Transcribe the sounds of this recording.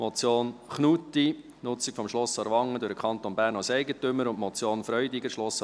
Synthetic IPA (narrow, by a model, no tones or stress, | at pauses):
mɔt͡sjoːnχnuti | nʊt͡sɪkfɔmʃlɔsɑɾʋɑŋːədʊɾəkχɑnt̪onbæːɾnɑlsɛɪɡətʏmːəɾʊntmɔt͡sjoːnfɾœʏdɪɡəɾʃlɔs